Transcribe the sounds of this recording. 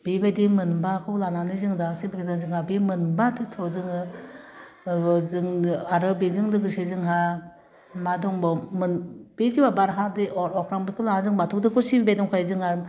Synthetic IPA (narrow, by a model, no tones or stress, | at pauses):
bibajdimɯnbakʰɯlananɯzɯŋdasibikʰizaŋzɯŋabimɯnbatʰɯtʰɔzɯŋɯ | zɯŋaɾɯbezɯŋlɯɡɯsezɯŋɦa | madɔŋbɔmɯnb̥eziwabaɾɦadeʔɔɾɔkʰɾaŋbikʰɯlaazɯŋbatʰɔtʰɯkʰɯɾsibibejdɔŋkʰajzɯŋajɯm